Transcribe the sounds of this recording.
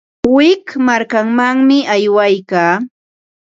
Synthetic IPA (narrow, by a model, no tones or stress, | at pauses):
wɪkmaɾkaŋmaŋmɪajwajkaː